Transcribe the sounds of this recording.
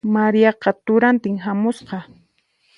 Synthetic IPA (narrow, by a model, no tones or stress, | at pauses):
maɾijɑqɑt̪ʊɾant̪ɪŋɦamʊsqɑ